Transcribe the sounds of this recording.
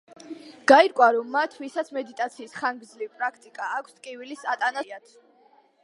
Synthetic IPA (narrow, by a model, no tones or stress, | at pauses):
ɡ̥aiɾkʼwaɾɔmːat̪ʰvisat̪sʰmɛd̪it̪ʼat̪sʰiːsχaŋɡɾd̪zliipʼɾakʰt̪ʼikʼaːkʷʰskʼivilisat̪ʼanaat̪ʰ